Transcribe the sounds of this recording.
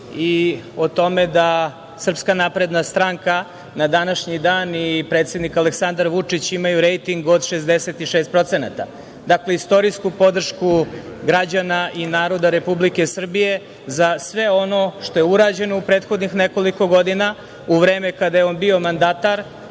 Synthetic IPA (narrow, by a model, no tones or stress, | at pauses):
iot̪o̞med̪a | sr̩pskanapɾe̞d̪nast̪ɾaŋka | nad̪anaʃɲid̪aːnipɾe̞ːt̪sje̞d̪nikaleksand̪aɾʋut͡ʂit͡ɕimajuɾejt̪iŋɡod̪ʃezd̪eset̪iʃeːst̪pɾo̞t̪sena̰t̪a̰ | d̪akleist̪o̞ɾiskupo̞d̪r̩ʃkuɡɾad͡ʑanaʔinaːɾo̞d̪aɾe̞publike̞sr̩bije̞ | zasʋe̞o̞no̞ʃt̪ojeuɾaːd͡ʑe̞no̞upɾeːt̪xo̞d̪nixneko̞liko̞ɡo̞d̪ina | uʋɾeːmekad̪ajeo̞nbio̞mand̪at̪aɾ